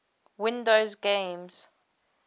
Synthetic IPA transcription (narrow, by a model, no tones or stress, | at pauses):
wɪ̃ndozɡẽmz̥